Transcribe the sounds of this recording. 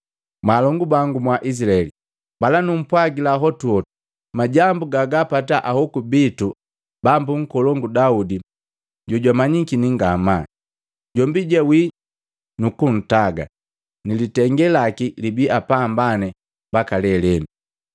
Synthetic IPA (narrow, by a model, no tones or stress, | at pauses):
malɔŋɡubaŋɡumwaʔis̬ilaɛli | balanum̩pwaɡilaɦɔtuɔu | maɟambuɡaɡapataʔahɔkubitu | bambuŋ̩kɔlɔŋɡudaudi | ɟɔɟwamaɲikiniŋɡama | ɟɔmbiɟɛwi | nukun̩taɡa̰ | nilitɛŋɡɛlakilibiapambanɛ | bakalɛlɛnu